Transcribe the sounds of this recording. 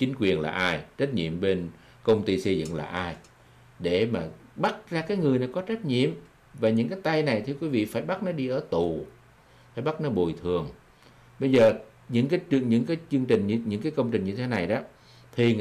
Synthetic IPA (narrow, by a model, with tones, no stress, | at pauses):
t͡ɕï˨˦ŋ̟kwi˨˩ənla̰ː˨˩ʔaː˧jt͡ɕə˦˥t̚ɲḭ˧˨əmɓe˧n | kə˧wŋ͡mt̪i˧sə˧jzɨ̰˧˨ŋla̰ː˨˩ʔaː˧j | ɗe˧˩maː˨˩ɓa˦˥t̚zaː˧kaː˨˦jŋɨ˨˩əjna˨˩kɔ˨˦t͡ɕə˦˥t̟̚ɲḭ˧˨əm | vaː˨˩ɲɨ̰˧˥ŋkaː˨˦jt̪a˧jna˨˩jt̪ʰɨ˧əkwi˨˦vḭ˧˨faː˧˩jɓa˦˥t̚nɔ˨˦ɗi˧ʔəː˧˩t̪u˨˩ | faː˧˩jɓa˦˥t̚nɔ˨˦ɓo˨˩jt̪ʰɨ˨˩əŋ | ɓə˧jzəː˨˩ | ɲɨ̰˧˥ŋkaː˨˦jt͡ɕɨ˧ɲɨ̰˧˥ŋkaː˨˦jt͡ɕɨ˧əŋt͡ɕï˨˩ŋ̟˧ɲɨ̰˧˥ŋkaː˨˦jkə˧wŋ͡mt͡ɕï˨˩ŋ̟ɲɨ˧t̪ʰe˨˦na˨˩jɗɔ˨˦ | t̪ʰi˨˩